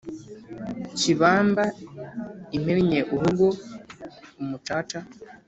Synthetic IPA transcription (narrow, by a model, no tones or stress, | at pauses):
ciβaːmba | imeɾɲeʔuhuɡo | umutaːta